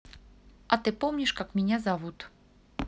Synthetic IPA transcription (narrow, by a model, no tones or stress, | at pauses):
ʔat̪ɨpɔmɲʲiʂkakmʲenʲazavut̪